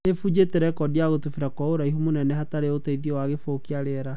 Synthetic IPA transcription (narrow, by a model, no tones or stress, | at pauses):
efud͡ʑetɛɾɛkɔdiaɣotufeɾakɔoɾaiɦumonɛnɛhataɾeotaiðiewaɣefokeaɾeɾa